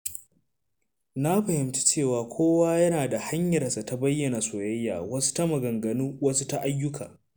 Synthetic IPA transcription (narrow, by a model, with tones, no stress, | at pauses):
na˦ɸɐ˨hɪ˨mt͡ʃi̥˦t͡ʃeː˦˨waː˨kʷʰoː˦waː˦jɐ˦naː˨da˨ha˦ɲjɐ˨rsa˨ta˨bɐ˦jːɐ˨na˨soː˨jɐ˦jːa̰ː˨wɐ˦su̥˦ta˦mɐ˨ɡɐ˨ŋɡɐ˨nuː˦wɐ˦su˦ta˦ʔa˦jːʊ˦kʰaː˨